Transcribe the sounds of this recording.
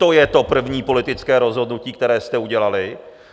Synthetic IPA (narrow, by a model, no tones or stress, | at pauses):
t̪o̞jɛt̪o̞pr̩vɲiːpo̞lɪt̪ɪt͡skɛːɾo̞zɦo̞dnuciːkt̪ɛɾɛːst̪ɛuɟɛlalɪ